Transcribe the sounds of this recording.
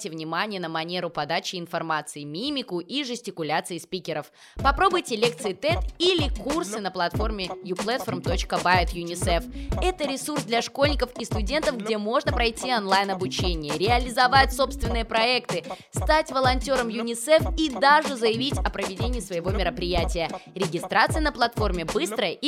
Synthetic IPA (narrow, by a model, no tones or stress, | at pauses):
tʲɪvnʲɪmanʲɪjənəmɐnʲe̞ɾʊpɐd̪at͡ɕɪɪnfɐrmat̪sɨɪmʲimʲɪkʊʔiʐɨsʲtʲɪkʊlʲat̪sɨɪspʲikʲɪɾəf | pɐpɾo̞bʊjtʲɪlʲe̞k̚t̪sɨɪt̪ɛt̪ilʲɪkursɨnəplˠɐt̪fo̞rmʲɪjuplˠɛt̪fərmt̪o̞t͡ɕkəbaɛt̪jʊnʲɪsɛfɛt̪əɾʲɪsursd̪lʲɐʂko̞lʲnʲɪkəfist̪ʊdʲe̞nt̪əfɡdʲemo̞ʐnəpɾɐjtʲionlˠajnɐbʊt͡ɕenʲɪjəɾʲɪɐlʲɪzɐvatʲso̞pst̪vʲɪnːɨjəpɾɐɛkt̪ɨst̪atʲvəlˠɐnʲtʲo̞ɾəmjʊnʲɪsɛfid̪aʐɨzəjɪvʲitʲɐpɾəvʲɪdʲenʲɪːsvəjɪvo̞mʲɪɾəpɾʲɪjætʲɪjəɾʲɪɡʲɪst̪ɾat̪sɨjnəplˠɐt̪fo̞rmʲɪbɨst̪ɾəjəʔi